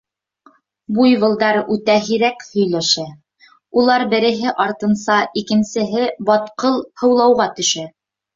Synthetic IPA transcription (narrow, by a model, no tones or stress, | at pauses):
bujβɤ̆lˠd̪ɑɾʉt̪æɦiɾækhɵ̆jlæʃæ | ulˠɑɾbɘ̆ɾɘ̆ɦɘʔɑɾt̪ɤ̆nsɑʔikɘ̆nsɘ̆ɦɘbɑt̪qɤlˠhɤ̆wlˠɑwʁɑt̪ɵ̆ʃæ